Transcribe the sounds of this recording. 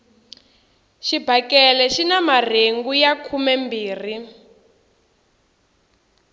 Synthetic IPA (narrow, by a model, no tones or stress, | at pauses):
ʃibʱakɛlɛʃinamar̤eŋɡujakʰumɛmbiːr̤i